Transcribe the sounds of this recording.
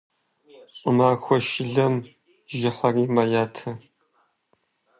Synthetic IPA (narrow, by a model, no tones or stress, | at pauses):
ʔʷʼʊmaːxʷɔʃɪɮɐm | ʒɪħɐriːmajaːtʰɐ